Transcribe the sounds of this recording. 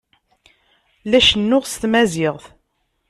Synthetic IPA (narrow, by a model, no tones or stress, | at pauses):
læʃənːʊʁst̪mæzɪʁθ